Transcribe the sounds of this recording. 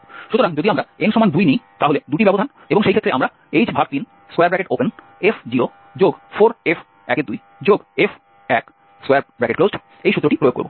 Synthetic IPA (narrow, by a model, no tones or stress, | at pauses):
ʃut̪oɾaŋd͡ʑod̪iamɾaenʃɔmand̪ujnejt̪aɦoled̪uʈibɛbod̪ʱan | eboŋʃejkʰet̪ːɾeamɾa | ejd͡ʑbʱak̚t̪in | skajaɾbɾɛkeʈopen | efd͡ʑio | d͡ʑoɡfoɾef | ɛkeɾd̪uj | d͡ʑoɡef | ɛk | skajaɾbɾɛkeʈklozʈ | ejʃut̪ːɾoʈipɾoeoɡko̰bo̰